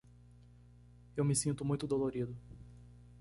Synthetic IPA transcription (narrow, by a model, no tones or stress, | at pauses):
ewmɪsĩnt̪ʊmũj̃t̪ʊd̪oloɾid̪ʊ